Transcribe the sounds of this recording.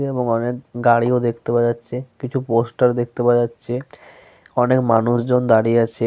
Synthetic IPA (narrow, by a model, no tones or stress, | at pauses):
eeboŋɔnek̚ɡaɽiod̪ekʰt̪epad͡ʑatːɕʰekit͡ɕʰuposʈaɾd̪ek̚ʰt̪epad͡ʑatːɕʰe | ɔnekmanuʃd͡ʑond̪aɽiat͡ɕʰe